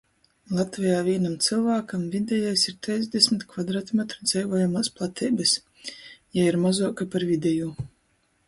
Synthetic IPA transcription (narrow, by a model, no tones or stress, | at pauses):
lˠat̪vʲijaːvʲiːnamt̪sɨlˠvaːkamvʲid̪ʲɛjajsiɾt̪ʲɛjzʲd̪ʲesʲmit̪kvad̪ɾat̪mɛt̪ɾɔd̪z̥ɛjvoːjamaːsplˠat̪ʰʲiːbɨs | jaiɾmazɔːkapaɾvʲid̪ʲɛju